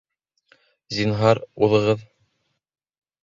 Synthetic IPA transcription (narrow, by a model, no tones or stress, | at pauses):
zinɦɑɾuðɤ̆ʁɤð